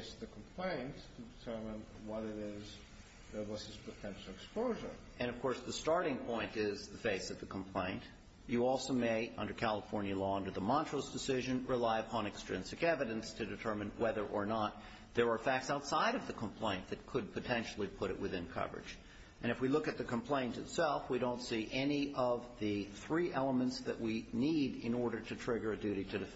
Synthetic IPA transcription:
sðɨkʰm̩pʰl̥ẽɪ̃nttʰɨdɨtʰɜ˞mə̃nwʌɾɪɾɪz | əwʌsɨz̥pʰətʰɛ̃nʃl̩ˠɨkspoʊʒə̰˞ | ɨ̃ñʌv̥kʰɔɹsðɨstɑɹɾɪ̃ŋpʰɔ̃ɪ̃ntɪzðɨfeɪsʌvðɨkʰm̩pʰl̥ẽɪ̃nt | jɨɔlˠsoʊmeɪʔʌ̃ndə˞kʰælˠəfɔɹnjɨlɔʌ̃ndə˞ðəmɑ̃ntɹ̥oʊsd̥ɨsɪʒɨ̃nɹɨlaɪɨpʰɑ̃nɨkstɹ̥ɪ̃nsɨkɛvɨɾɨ̃nstʰɨdɨtʰɜ˞mɨ̃nwɛðə˞ʔə˞nət̪̚ | ðə˞ːfæk̚tsaʊtsaɪɾʌvðɨkʰə̃m̩pʰl̥ẽɪ̃nðɨt̚kʰɨd̚pʰɨtʰɛ̃nʃl̩ˠipʰʊɾɨ̰ʔ̚wɨðɪ̃nkʰʌ̰və˞ɨ̰̥d͡ʒ | ʔɨ̃ñɨfwilʊkɨt̪̚ðɨkʰɨ̃m̩pʰl̥ẽɪ̃ntɨtsɛlˠfwiɾõʊ̃ntsiʔɛniʔʌvðɨθɹiʔɛlˠəmɨ̃ntsðɨ̰ʔwiniɾɪ̃nɔɹɾə˞ɾɨtʰɹ̥ɪɡə˞ɨdʉɾiɾɨdɨf

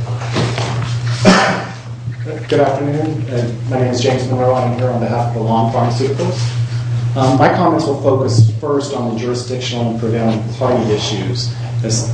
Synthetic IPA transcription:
ɡ̥ʊɾæftə˞nʉ̃nmaɪnẽɪ̃mzd͡ʒẽɪ̃mzmə̃nəʊãɪ̃mhiɹə̃nðɨɦæfʌvðəlɔ̃ŋfɑ̃ɹmsʉɾɨkl̩ˠz̥ | maɪkʰɑmɛ̃ntswəlˠfoʊkɨsfɜ˞stn̩ðəd͡ʒʊɹɨsd̥ɪkʃɨ̃n̩ˠə̃npʰɹ̥ɨveɪlˠɪ̃ŋpʰɑɾiɪʃʉz̥ | ɨz

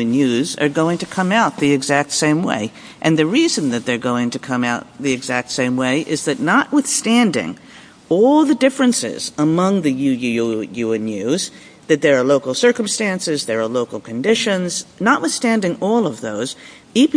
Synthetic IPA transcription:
ɨ̃njʉzə̰˞ɡoʊɪ̃ŋtɨkʰʌ̃maʊt̪̚ðiɨɡzæk̚tsẽɪ̃mwḛɪ | ʔɨ̃nðɨɹizɨ̃nðɨt̪̚ðə˞ɡoʊɪ̃ŋtɨkʰʌ̃maʊt̪̚ðiɨɡzæk̚tsẽɪ̃mweɪʔɪzðɨtⁿnəʔ̚wɨθstæ̃ndɪ̰̃ŋ | ɔlˠðɨdɪfɹɨ̃nsɪ̰zəmʌ̃ŋðɨjʉjjʉɨ̃njʉz | ðɨt̪̚ðə˞ːloʊkl̩ˠsɜ˞km̩stæ̃nsɪzðə˞ə˞loʊkl̩ˠkʰɨ̃ndɪʃɨ̃nznəʔ̚wɨθstæ̃ndɪ̃ŋɔlˠʌvðoʊz̥ | ip

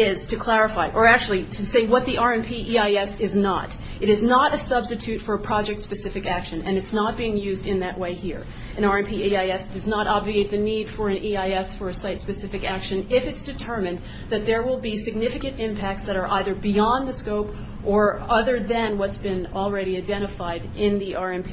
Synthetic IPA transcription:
ɪz̥tʰɨkʰl̥æɹɨfaɪʔə˞æk̚t͡ʃʉl̩ˠiɾʰɨseɪwʌt̪̚ðiʔɑɹɛ̃npʰiʔiaɪɛsɪznə̰ɾ | ɨɾɨznəɾɨsʌbstɨtʰʉtfə˞əpʰɹ̥ɑd͡ʒɛk̚tspɨsɪfɨkækʃɨ̃nɨ̃nɨtsnət̚b̥iɪ̃ŋjʉzdɨ̃nðɨʔweɪhiɹ | ɨ̃ñɑɹɛ̃npʰiiaɪɛsd̥ʌznəɾʔɑbvieɪt̪̚ðɨnid̥fə˞ɨ̃nʔiaɪɛsfə˞ɨsaɪtspɨsɪfɨkækʃɨ̃nɪfɨtsd̥ɨtʰɜ˞mɨ̃n | ðɨt̪̚ðə˞wɪlˠbisɨɡ̚nɪfɨkɨ̃ntɪ̃mpʰæk̚tsðɨɾə˞ʔaɪðə˞biɑ̃nðɨskoʊp | ʔə˞ʌðə˞ðɨ̃nwʌtsb̥ɨ̃nl̩ˠɹɛɾiaɪdɛ̃ɾ̃ɨfaɪɾɪ̃nðiʔɑɹɛ̃npʰi

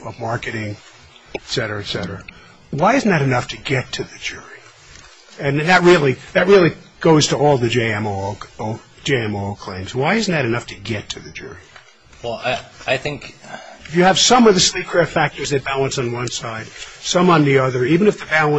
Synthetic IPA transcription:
ʌvmɑɹkɨɾɪ̃ŋ | tsɛɾə˞ɨɨtsɛɾə˞ɨ | waɪɨzn̩ðɨɾɨnʌftʰɨɡɛtʰɨðɨd͡ʒʊɹi | ɨ̃nðɨt̚ɹɪlˠiðɨt̚ɹɪlˠi | ɡ̥oʊz̥tʰəɔlˠðɨd͡ʒeɪɛ̃moo | d͡ʒeɪɛ̃mokʰl̥ẽɪ̃mzwaɪɪzn̩ðɨɾɨnʌftʰɨɡɛtʰɨðɨd͡ʒʊ̰ɹi | wɛlˠaɪθɪ̃ŋkɨfjɨːv̥sʌ̃mʌvðɨslikʰɹ̥ɛfæk̚tə˞zðɨt̚b̥ælˠə̃nsn̩wʌ̃nsaɪd̥sʌ̃mə̃nðiʌðə˞ivɨ̃nɨfðɨbælˠə̃

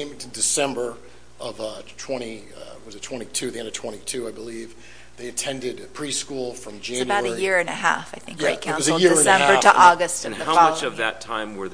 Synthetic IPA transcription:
ɪ̃m̃tɨdɨsɛ̃mbə˞ | ʌvtʰw̥ɛ̃ɾ̃i | wʌzɨtʰw̥ɛ̃ɾ̃itʰʉðiɛ̃ndʌv̥tʰw̥ɛ̃ɾ̃itʰʉaɪbəliv | ðeɪɨtʰɛ̃ndɨd̚pʰɹ̥iskulˠfɹʌ̃md͡ʒæ̃ɨnjbaʊɾɨjɪɹɨ̃nɨɦæ̰faɪθɪ̃ŋkɡ̥ɹeɪtkʰãʊ̃ʌszɨl̩ˠjɪɹɹ̃nsɛɨ̃mbə˞ɾəʔɔɡɨstʌ̃nhðəhaʊɑmʌt͡ʃʌvðɨtʰãɪ̃mwə˞ð

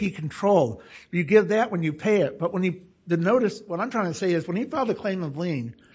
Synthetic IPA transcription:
ikʰn̩tʰɹ̥oʊlˠjɨɡɪvðɨʔ̚wə̃njɨpʰeɪɪt̚b̥ʌʔ̚wə̃nɨ | ðɨnoʊɾɨswʌɾãɪ̃tʰɹ̥aɪ̃ŋtʰɨseɪɨzwə̃nifɛlˠðɨkʰl̥ẽɪ̃mʌvlĩn

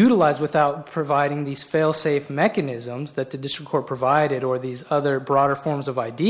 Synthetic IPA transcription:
ʉɾəlaɪz̚wɨθaʊt̚pʰɹ̥ɨvaɪɾɪ̃ŋðiz̥feɪlˠseɪfmɛkɨnɪzə̃mzðɨt̪̚ðɨdɪstɹ̥ɨkʰɔɹ̚pʰɹ̥ɨvaɪɾɨɾə˞ðizʌðə˞bɹɔɾə˞fɔɹmzʌvaɪdi

